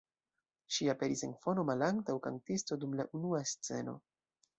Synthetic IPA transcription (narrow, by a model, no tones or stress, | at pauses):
ʃiape̞ɾise̞nfo̞no̞malaŋktawkantisto̞dumlaʔunuast͡se̞̰no̞̰